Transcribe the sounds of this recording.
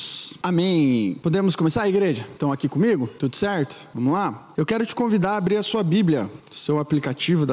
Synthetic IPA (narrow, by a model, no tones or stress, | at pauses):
amẽj̃pod̪ẽmʊskõmesaɾɐiɡɾeʒɐt̪ɐ̃w̃akikõmiɡʊt̪ud̪ʊsɛɾt̪ʊ̥vɐ̃mʊla | ewkɛɾʊt͡ʃɪ̥kõvid̪aɾːbɾiɾɐsuɐbibljɐʊsewaplikat͡ʃivʊd̪